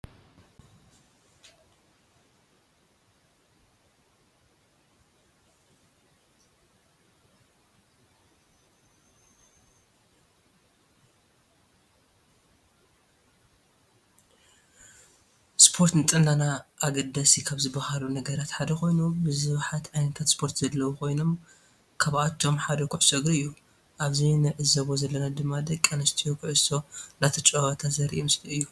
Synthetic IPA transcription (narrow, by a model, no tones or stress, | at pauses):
spʰo̞ɾt̪nɨt̪ʼɨnːanaʔːɡɐd̪ɐsikʰaβzɨbahalunɐɡɐɾat̪ħad̪ɐkʰo̞jnubɨzɨβħat̪ʕajnɐt̪ʰat̪spʰo̞ɾt̪zɐlːɐwuko̞jno̞m | kʰaβʔat̪ʰːo̞mħad̪ɐkʰuʕɨsɐɡɐɨjːu | ʔaβzinɨʕɨzɐβozɐlːɐnad̪ɨmːad̪ɐkʼːɐnɐst̪ʰijokʰʊʕɨso̞nat̪ʰɐt͡ʃʼɐwɐt̪ʰat̪zɐɾḭʔimst̪ʰɐɨjːu